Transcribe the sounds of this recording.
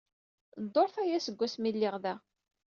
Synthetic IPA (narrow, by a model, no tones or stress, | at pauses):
d̪ˤːoɾθæjæsəɡʷːæsmilːɪʁðæ